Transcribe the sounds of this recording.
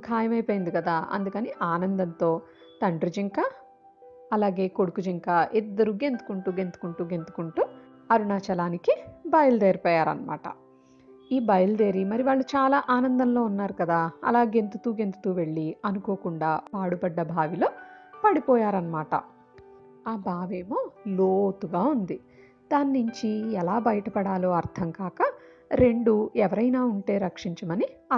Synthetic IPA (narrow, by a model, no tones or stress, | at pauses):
kʰaːjɐmɐjpoːjind̪ikɐd̪aːɐ̰nd̪ukɐniːʔaːnɐnd̪ɐnt̪o̞ː | t̪ɐɳɖɾud͡ʒiŋkaː | ɐlaːɡe̞ːko̞ɽukud͡ʒiŋkaːʔid̪ːɐɾuɡe̞nt̪u̥kuɳʈuːɡe̞nt̪u̥kuɳʈuːɡe̞nt̪u̥kuɳʈuː | ɐɾuɳaːt͡ʃɐlaːnikibɐjɐld̪eːɾipɔːjaːɾɐ̰nɐma̰ːʈɐ̰ | iːbɐjɐld̪e̞ːɾimɐɾiʋaːɭːut͡ʃaːlaːʔaːnɐnd̪ɐmlo̞ːunːaːɾukɐd̪aːɐ̰laːɡe̞nt̪ut̪uːɡe̞nt̪u̥t̪uːʋe̞ɭːiɐnuko̞ːkuɳɖaːpaːɽubɐɖːɐbʱaːʋilo̞ːpɐɽipɔːjaːɾɐnɐmaːʈɐ̰ | aːbʱaːʋeːmoːloːt̪uɡaːund̪i | d̪aːnːuɲt͡ʃiɛlaːbɐjɐʈɐpɐɽaːlo̞ːɐɾt̪ʰɐmkaːkɐ | ɾe̞ɳɖuɛʋɐɾɐjnaːuɳʈe̞ːɾɐkʂiɲt͡ʃɐmɐni